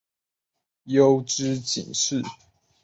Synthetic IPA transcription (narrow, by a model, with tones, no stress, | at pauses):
jo˦˥ʊʈ͡ʂɻ̩˥˦t͡ɕḭ˨˩ŋʂɻ̩˥˨